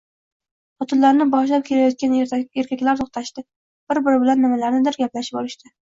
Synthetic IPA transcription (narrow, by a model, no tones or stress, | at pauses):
ɒt̪ʰʊlːaɾnɪbɒʃlap̚kʲʰelajɒt̪̚kʲaneɾkʲʰakʲlaɾt̪ʰoχt̪ʰaʃt̪ɪ | b̥ɪɾbɪɾɪbɪlanːɪmalaɾnɪd̪ɪɾɡʲaplaʃɪ̥p̚olɪʃt̪ʰɪ